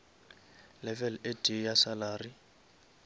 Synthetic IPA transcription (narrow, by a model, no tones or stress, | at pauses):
lɛvɛledijasalaːri